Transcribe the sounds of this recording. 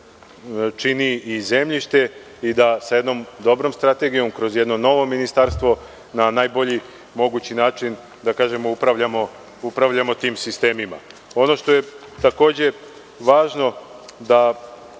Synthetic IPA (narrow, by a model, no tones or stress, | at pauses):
t͡ʃiniize̞mʎiʃt̪e̞ | id̪asajed̪no̞md̪o̞bɾo̞mst̪ɾat̪e̞ɡijo̞mkɾo̞zjed̪no̞no̞ʋo̞minist̪aɾst̪ʋo̞ | nanaːjboʎi | mo̞ɡut͡ɕinaːt͡ʃin | d̪akaːʒe̞moupɾaʋʎamo̞ | upɾaʋʎamo̞t̪iːmsist̪e̞ːmima̰o̞no̞ʃt̪o̞je̞ | t̪ako̞ːd͡ʑe̞ | ʋaːʒno̞d̪a